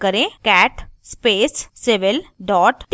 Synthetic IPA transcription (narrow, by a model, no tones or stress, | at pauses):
kəɾẽkɛːʈspeːsseʋɪlɖɔːʈʈ̪